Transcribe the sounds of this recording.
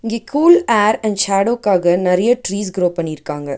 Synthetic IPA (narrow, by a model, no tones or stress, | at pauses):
ɪŋɡeːkʰuːlaːɾɛɳɖʃaːɽoːkːaːɣɐnɐɾɐjɐʈɾiːsɡɾoːpɐɳːiɪɾɯkːaːŋɡɐ